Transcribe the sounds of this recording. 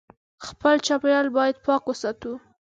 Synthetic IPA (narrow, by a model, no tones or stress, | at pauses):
xpəlt͡ʃapjɑlbɑjad̪̚pɑkwəsɑt̪u